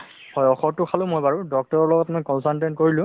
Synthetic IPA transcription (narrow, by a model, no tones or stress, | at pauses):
hɔjɔxɔtʊkʰalʊ̃mojbaɹudɔk̚tɔɹɔɹlɔɡɔtmɔjkɔnsalntent̚koɹilʊ̃